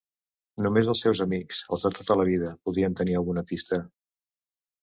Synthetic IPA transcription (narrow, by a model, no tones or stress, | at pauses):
numezəlˠsːɛwzəmiksə̰lˠzðət̪ot̪ələβiðəpuðɾiənt̪əniəlˠɣunəpist̪ə